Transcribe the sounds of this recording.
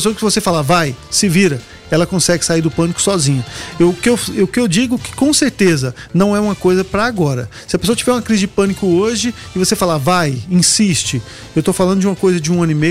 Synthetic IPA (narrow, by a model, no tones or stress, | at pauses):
soɐkɪvosefalavajsɪviɾɐ | ɛlɐkõsɛɡɪsaiɾd̪ʊpɐ̃nikʊ̥sɔzĩɲʊewkɪewʊkɪewd͡ʒiɡʊkɪ̥kõseɾt̪ezɐnɐ̃w̃ɛũmɐkojzɐpɾɐaɡɔɾɐ̰sɪɐpesoɐt͡ʃivɛɾũmɐkɾizɪd͡ʒɪpɐ̃nikʊoʒɪːvosefalavajĩsist͡ʃɪ | ewt̪ofalˠɐ̃nd̪ʊd͡ʒɪũmɐkojzɐd͡ʒɪũɐ̃nʊɪmej